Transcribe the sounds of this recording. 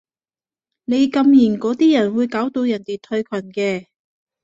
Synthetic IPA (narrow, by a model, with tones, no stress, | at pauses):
ne˨˧jkɐ˧mjiː˨˩nkɔː˨˥t̪iː˥jɐ˨˩nwuː˨˧jkaː˨˥wt̪o˧wjɐ˨˩nt̪e˨˩t̪ʰɵ˧ɥkʰɐ˨˩nkɛː˧